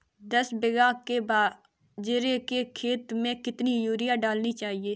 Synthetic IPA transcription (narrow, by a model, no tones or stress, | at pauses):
d̪əsbeɡaːkebaː | d͡ʒeɾekekʰeːt̪mẽkɪt̪nijuːɾɪjaɖaːlnit͡ʃaːɦieː